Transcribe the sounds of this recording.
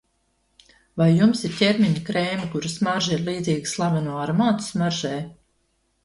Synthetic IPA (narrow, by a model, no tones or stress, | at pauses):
vajːumsiɾtʲɛɾmʲiɲakɾeːmʲikuɾasmaɾʒiɾliːd̪ziːɡslˠabanuɔaɾmaːt̪smaɾʒɛː